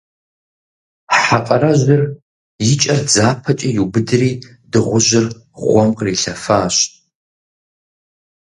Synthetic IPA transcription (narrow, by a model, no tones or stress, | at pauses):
ħaqʼɐɾɐʒɨr | jɪt͡ʃʼɐrd͡zaːpʰɐt͡ʃʼijubɨdɨriː | dɨʁʷʊʒɪrʁʷɔmqʼriːɬɐfaːɕʼ